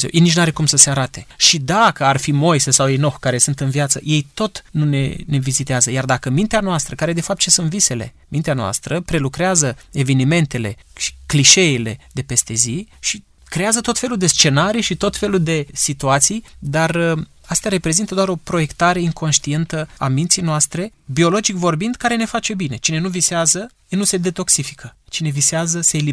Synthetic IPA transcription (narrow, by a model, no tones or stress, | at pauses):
ewjejnit͡ʃnaɾe̞kumsəseaɾat̪e̞ʃid̪akəarfimo̞jsesawejno̞xkaɾe̞sunt̪ɨnviat̪sə̰je̞jt̪o̞t̪nunḛne̞vizit̪eazəjard̪akəmint̪eanoast̪ɾəkaɾe̞d̪e̞fap̚t̪̚t͡ʃesunt̪vise̞le̞̰mint̪eanoa̰st̪ɾəpɾe̞lukɾeazəe̞ve̞nime̞nt̪e̞le̞ʃi̥kliʃe̞ile̞d̪e̞pe̞st̪e̞ziʃi | kɾe̞azət̪ot̪fe̞luld̪e̞st͡ʃe̞naɾijʃit̪o̞t̪fe̞luld̪e̞sit̪uat̪sijd̪ar | ast̪eaɾe̞pɾe̞zint̪əd̪oaɾo̞pɾo̞je̞kt̪aɾe̞iŋko̞nʃt̪ie̞nt̪əamint̪sijnoast̪ɾe̞bio̞lo̞d͡ʒikvo̞rbind̪kaɾe̞ne̞fat͡ʃe̞bine̞t͡ʃine̞nuviseazə | enuse̞d̪e̞t̪o̞ksifi̥kʰət͡ʃine̞viseazəse̞ːli